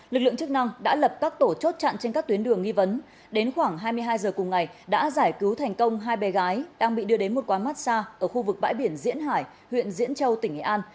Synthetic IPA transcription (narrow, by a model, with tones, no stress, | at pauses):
lɨ˨˩lɨ˧˨ŋt͡ɕɨ˦˥k̚na˧ŋɗa̰ː˧˥lə˨˩p̚kaː˦˥k̚t̪o˧˩t͡ɕo˦˥t̚t͡ɕa̰˧˨nt͡ɕe˧nkaː˦˥k̚t̪wənɗɨ˧˩əŋːi˧və˨˦n | ɗe˨˦nxwaː˧˩ŋɦaː˧jmɨ˧əjɦaː˧jzəː˨˩kʊ˨˩ŋ͡mŋa˨˩jɗa̰ː˧˥zaː˧˩jkɨ˨˦wt̪ʰɛ˨˩jŋ̟kə˧wŋ͡mɦaː˧jɓɛ˨˦ɣaː˨˦jɗaː˧ŋɓḭ˧˨ɗɨ˧əɗe˨˦nmo˨˩t̚kwaː˨˦jma˦˥t̚saː˧ʔəː˧˩xu˧vɨ˨˩k̚ɓa̰ː˧˥jɓi˧˩ənzḭ˧˥ənɦaː˧˩j | hwḭ˧˨ənzḭ˧˥ənt͡ɕə˧wt̪ï˧˩ŋʔi˧˩ʔaː˧n